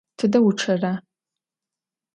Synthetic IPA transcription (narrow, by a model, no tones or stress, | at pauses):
tʰɨdɐwʊʈ͡ʂʰɐra